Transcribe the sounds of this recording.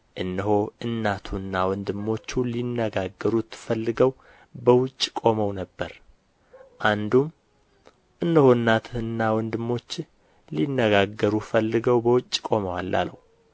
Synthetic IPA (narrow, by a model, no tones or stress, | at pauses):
ʔɨnːɨhoɨnːat̪ʰuɨnːawɔnd̪ɨmːo̞t͡ʃːulinːəɡaɡːəɾut̪fəlːɨɡəw | bəwʊt͡ʃʼːkʼo̞məwnəbːəɾ | ʔand̪um | ʔɨnːəho̞ɨnːat̪ʰnːawɔnd̪ɨmːo̞t͡ʃː | linːəɡaɡəɾufəlːɨɡəwbəwʊt͡ʃʼːkʼo̞məwalːa̰lə̰hu